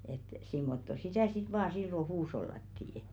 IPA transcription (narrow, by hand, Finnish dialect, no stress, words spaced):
et simːotːo sitæˑ sit ʋɑː silːo huːsh̞olːɑtːiː